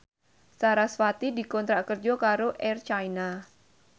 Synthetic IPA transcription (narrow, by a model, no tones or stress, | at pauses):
saɾasfat̪idikɔnt̪ɾakərd͡ʒɔkaɾoʔɛrt͡ʃaina